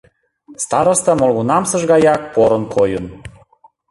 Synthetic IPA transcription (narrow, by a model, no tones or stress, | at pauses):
st̪ɑɾost̪ɑmolɣunɑmsə̆ʒɣɑjɑk̚poɾə̆nkʰojun